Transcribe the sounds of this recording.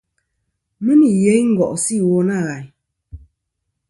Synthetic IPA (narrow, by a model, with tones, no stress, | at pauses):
mə˦ni˨je˦ŋ̩˦ɡɔ̰˨ʔsi˦˨wo˦na˦˨ɣa˨j